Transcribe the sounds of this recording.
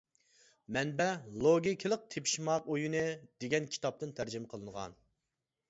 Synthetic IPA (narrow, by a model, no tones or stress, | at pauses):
mɛnbɛlˠoɡʲikʲʰɪlˠəq̚t̪ʰepʰi̥ʃmɑqojunɨd̪eɡʲɛnkʲʰi̥t̪ʰɑp̚t̪ɨnt̪ʰæɾd͡ʒɪmqʰəlˠɨŋʁɑ̰n